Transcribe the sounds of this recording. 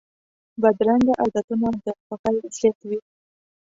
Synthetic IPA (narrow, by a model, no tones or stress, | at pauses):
bad̪ɾaŋɡaʔad̪at̪unad̪əpaqalset̪wi